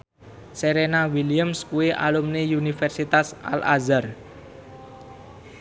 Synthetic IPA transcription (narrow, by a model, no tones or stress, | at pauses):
seɾenawilijamskuweʔa̰lumneunifɛrsit̪asa̰lʔa̰zar